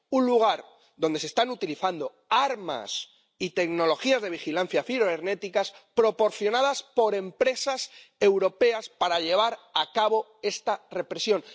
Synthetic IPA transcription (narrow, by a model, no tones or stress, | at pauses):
unluɣ̞aɾ | ðo̞nd̪e̞sest̪anut̪iliθand̪o̞ | aɾma̰s | it̪e̞kno̞lo̞xiazðe̞β̞ixilan̟θjafiɾoeɾne̞t̪ikaspɾo̞po̞ɾθjo̞naðaspo̞ɾe̞mpɾe̞sase̞wɾo̞pe̞aspaɾaʎe̞β̞aɾakaβo̞ | e̞st̪are̞pɾe̞sjõ̞n